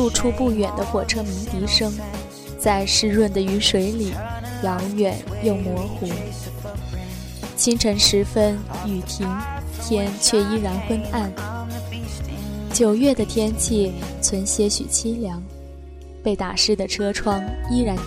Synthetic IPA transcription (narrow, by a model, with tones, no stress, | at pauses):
lu˥˧ʈ͡ʂʰu˥pu˥˩ɥɛ˨˩nd̪ə˦xwɔ˨˩ʈ͡ʂʰɤ˥mi˧˥ŋt̪i˧˥ʂɤ˥ŋ | t͡sa˥˧ɪʂɻ̩˥˧ɻwə˥˩nd̪ə˩y˧˥ʂwe˧˥ɪli˨˩˦ | jɑ˧˥ŋɥɛ˨˩˦njo˥˩ʊmwɔ˧˥xu˧˥ | t͡ɕʰi˥ŋʈ͡ʂʰə˧˥ŋʂɻ̩˧˥fə˥n | y˨˩t̪ʰi˧˥ŋ | t̪ʰjɛ˥nt͡ɕʰɥɛ˥˧i˥ɻa˧˥nxwə˥na˥˩n | t͡ɕjo˨˩ʊɥɛ˥˩d̪ə˩t̪ʰjɛ˥nt͡ɕʰi˥˩t͡sʰwə˧˥nɕjɛ˧˥ɕy̰˨˩t͡ɕʰi˥ljɑ˧˥ŋ | pe˥˩ɪt̪a˨˩ʂɻ̩˥˩d̪ə˩ʈ͡ʂʰɤ˥ʈ͡ʂʰwɑ˥ŋi˥ɻa˧˥n